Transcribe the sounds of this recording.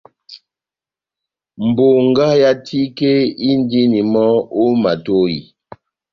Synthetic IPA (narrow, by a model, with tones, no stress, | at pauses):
m̩˨bo˨ŋ˦ɡa˦ja˦tʰi˦ke˦i˦n˦di˦ni˨mɔ˦o˦ma˨to˦jḭ˨